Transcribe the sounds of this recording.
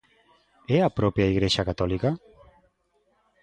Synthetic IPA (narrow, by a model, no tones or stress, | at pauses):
ɛapɾɔpjaiɣɾeʃakat̪ɔlika